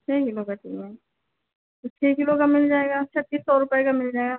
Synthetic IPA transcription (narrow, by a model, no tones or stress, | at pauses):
t͡ʃʰekɪlokat̪ʰḭɛ | t̪ot͡ʃʰekɪlokamɪld͡ʒaːeɡat͡ʃʰɛt̪ːiːsːɔɾʊpekamɪld͡ʒaeɡa